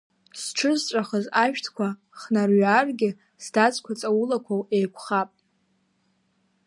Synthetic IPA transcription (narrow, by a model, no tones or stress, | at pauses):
sʈ͡ʂʰɨzʈ͡ʂʷʼaχəzaʃᶣtʰkʷʰa | χnarɥarɡʲɪ | sdat͡sʼkʷʰat͡sʼawulakʷʰawejkʷʰχapʼ